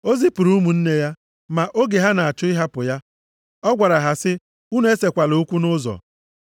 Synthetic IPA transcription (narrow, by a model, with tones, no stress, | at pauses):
o˦zi˦pu˨ɾu˦mu˨n̩˦ne˦ja˦ | ma˨ʔo˦ɡe˨ɦa˦na˨a˨t͡ʃʊ˦i˦ɦa˦pʊ˨ja˦ | ɔ˦ɡʷa˨ɾa˨ɦa˨sɪ˦ | u˦nu˨˦e˦se˨kʷa˨lo˦u˦kʷu˦nʊ˦zɔ̰˨